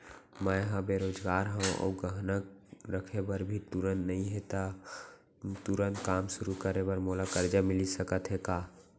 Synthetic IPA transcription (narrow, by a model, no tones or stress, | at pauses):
mɛɦãbeɾoːd͡ʒɡaːɾɦɛ̃ʔo̰ːɡəɦnək̚ɾəkʰebəɾbʱit̪uɾənnəɦĩɦet̪a | t̪uɾənt̪̚kaːmsʊɾukəɾebəɾmoːlakəɾd͡ʒamɪlisəkət̪ɦɛkaː